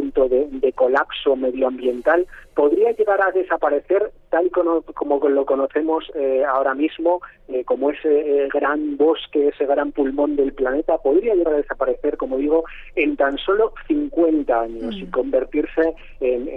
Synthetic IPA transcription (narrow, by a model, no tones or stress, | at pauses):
unt̪o̞ðed̪e̞ko̞lapso̞me̞ðjoambje̞nt̪alpo̞ðɾiaʎe̞ɣ̞aɾaðe̞sapaɾe̞θe̞ɾt̪alikonoko̞molo̞ko̞no̞θe̞mo̞seao̞ɾamizmo̞eko̞moe̞seɣɾambo̞ske̞ese̞ɣ̞ɾampulmõ̞nd̪e̞lplane̞t̪apo̞ðɾiaʎe̞ɣaɾaðe̞sapaɾe̞θe̞ɾko̞mo̞ðiɣ̞o̞ | e̞nt̪anso̞lo̞θiŋkwe̞nt̪aaɲosiŋko̞mbe̞ɾt̪iɾse̞ː | n